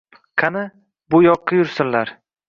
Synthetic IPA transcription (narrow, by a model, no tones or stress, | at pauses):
kʰanɪ | bʊjɒqʰːɑjʊɾsɪnlaɾ